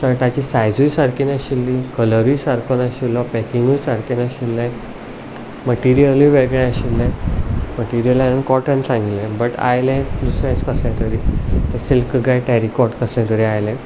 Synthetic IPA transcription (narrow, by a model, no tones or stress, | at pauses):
səɾt̪at͡ɕisajd͡zujsaɾkʰinaɕilːikələɾiːsaɾkʰonaɕilːɔpɛkiŋɡujsaɾkʰinaɕilːẽ | məʈiɾijəlĩʋeɡɭẽaɕilːɛ̃məʈiɾijəlannkɔʈənsãŋɡilɛ̃bəʈa̰jlɛ̃d̪usɾãt͡skəsljãt̪əɾiːt̪əɾsilkɡajʈɛɾikɔɾʈkəsljãt̪əɾiajlɛ̃